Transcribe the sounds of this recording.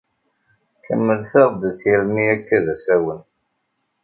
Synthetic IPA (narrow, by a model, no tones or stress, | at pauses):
kə̰mːəlθɑðˤd̪ət͡sːjəɾmiækːæðæsæwən